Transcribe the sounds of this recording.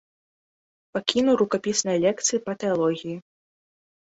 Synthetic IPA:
pakʲinuɾukapʲisnɐjɐlʲɛkt̪sɨjipɐt̪ɛalˠɔɣʲiji

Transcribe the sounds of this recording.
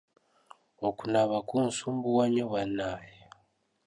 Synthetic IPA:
okunaβakunsuːmbuwaɲoβanaje

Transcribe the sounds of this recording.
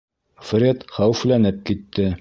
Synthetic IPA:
frʲet̪χæwɘflænɘp̚kit̪ːɘ

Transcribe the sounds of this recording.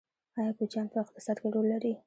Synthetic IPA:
ɑjɑkod͡ʒjɑnpəɪqt̪ɪ̥sɑd̪ɡaɖolːaɾi

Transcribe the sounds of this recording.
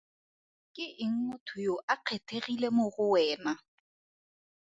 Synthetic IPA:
kʼɪʔɪŋ̩ŋʊtʰʊjoʔaq͡χʰetʰeɣilemʊɣʊwɛːna

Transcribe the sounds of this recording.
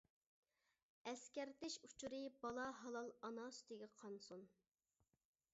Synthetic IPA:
ɛskʲɛɾt̪ɪʃut͡ʃʰuɾɨbɑlˠɑɦɑlˠɑlˠɑnɑst̪ʰɪɡʲiqʰɑnsun

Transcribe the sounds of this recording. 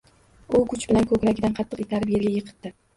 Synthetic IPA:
ʊkʰʊt͡ʃbɪlankʰɵkʲɾaɡʲɪd̪anqʰɑt̪ʰːɨqit̪ʰaɾbijaɡʲajɨqʰɨ̥t̪d̪ɪ

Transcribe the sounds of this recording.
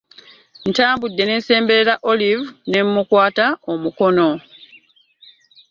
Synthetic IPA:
n̩taːmbudːe̞ne̞ːnse̞ːmbe̞ɾeɾaʔo̞livune̞mːukwaːtaomuko̞no̞

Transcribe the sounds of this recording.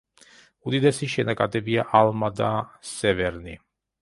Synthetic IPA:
ud̪id̪ɛsiʃɛnakʼad̪ɛbiaʔalmad̪asɛvɛɾni

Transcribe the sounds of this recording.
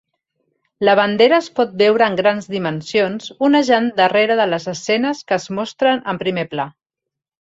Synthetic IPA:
ləβ̞ənd̪eɾəːspɔt̪̚bɛwɾəːŋɡɾanzðimənsionzunəʒand̪əreɾəðələzəsɛnəskəːzmɔst̪ɾənəmpɾimepla

